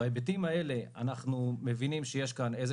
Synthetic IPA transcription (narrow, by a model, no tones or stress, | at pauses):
aebet̬imae̞le̞a̰naχnumevinimʃeje̞ʃkanejze